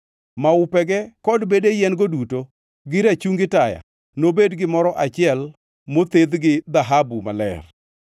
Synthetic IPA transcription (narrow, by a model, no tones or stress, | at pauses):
maʊpɛɡɛkɔdbedejɛnɡoduto | ɡɪɾat͡ʃuŋɡɪtaja̰ | nobedɡɪmɔɾɔʔat͡ʃɪɛl | mot̪ed̪ɡɪd̪aɦabuma̰lɛ̰r